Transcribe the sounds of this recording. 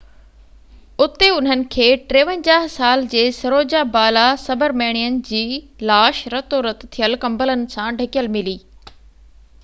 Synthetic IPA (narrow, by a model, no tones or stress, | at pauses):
ʊt̪eʊn̤ənɪ̆kʰeːʈɾeːʋə̃nd͡ʑaːɦsaːld͡ʑeːsɐɾoːd͡ʑabaːlasɐbəɾmeːɽ̃ijənɪ̆d͡ʑiːlaːʃɾɐt̪oɾɐt̪t̪ʰijəlkɐ̃mbələnɪ̆sãɖʱɐkijəlmɪliː